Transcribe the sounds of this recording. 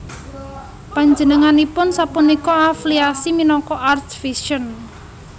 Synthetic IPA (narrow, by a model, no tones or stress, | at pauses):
paɲd͡ʒənəŋanipʊnsapunikɔafliasiminɔkɔʔartfiʃən